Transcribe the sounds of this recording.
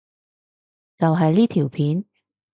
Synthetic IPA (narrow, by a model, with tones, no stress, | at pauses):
t͡sɐ˨˩wɦɐ˨jli˥˩t̪ʰi˨˩wpʰiː˨˥n